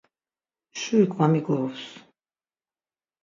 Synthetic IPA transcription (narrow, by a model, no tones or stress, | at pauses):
ʃuikʼvamiɡɔɔfs